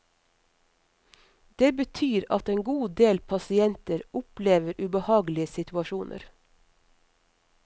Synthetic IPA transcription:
d̪̥eːbət̪ʰyːɾɑt̪eːŋɡuːd̪eːlpʰɑsɪɛnt̪əɾʊpleːʋəɾʔʉːbəhɑːɡlɪəsɪt̪ʰʉɑʃuːnʔə̰ɾ

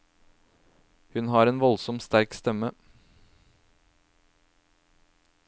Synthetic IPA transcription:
hʉnhɑːɾeːnʋɔlsɔmst̪æɾkst̪ɛmə

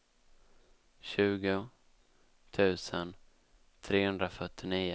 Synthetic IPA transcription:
ɕʉ̟ːɡʊ | t̪ʰʉ̟ːsən | t̪ʰɾeːhɵnd̪ɾafœʈːɪniːʊ

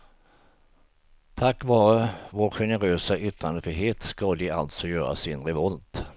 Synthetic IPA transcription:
t̪ʰakːvɑːɾəvoːɾɧɛnəɾøːsaʔʏt̪ɾand̪əfyɦeːt̪skɑd̪ɪalt̪sɔjœːɾa̰sɪnɾɛvɔlt̪

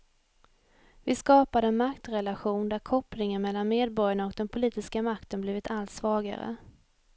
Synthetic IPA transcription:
vɪskɑːpad̪əɛnmakt̪ɾɛlaɧuːnd̪æɾkʰɔplɪŋənmɛlːanmeːd̪̚bɔɾjaɳaɔk̚d̪ɛnpʰʊliːt̪ɪskamakt̪ənbliːvɪt̪ʰalt̪svɑːɡa̰ɾə̰

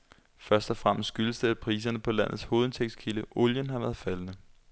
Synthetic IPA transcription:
fɶɐsd̥ɒfʁam̰ssɡ̥yləsd̥əæ̥pʰʁḭːs̬ɐnəpʰɒ̽læn̰ð̞̩ˠsho̝ːð̞̩ˠt͡sʰeɡ̥skʰiləʔoljənɦɑ̈ʋæɐð̩ˠfælənə

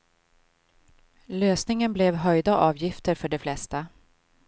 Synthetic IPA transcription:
løːsnɪŋənblɛvɦœjd̪aʔɑːvjɪft̪əɾfœɖɛflɛst̪a

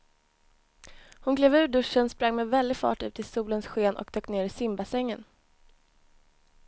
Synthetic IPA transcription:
hʊnɡleːvʉ̟ːɖɵʂːənspɾaŋːmɛvɛld̪ɪɡfɑ̰ːʈʉ̟ːt̪ʰɪsuːlənsɧeːnʔɔ̰k̚t̪ʰøːkneːɾɪsɪmbasɛŋːən

